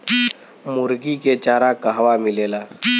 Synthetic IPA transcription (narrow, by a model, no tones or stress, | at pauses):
mʊɾɡiket͡ʃaːɾakaɦʋamɪleːlaː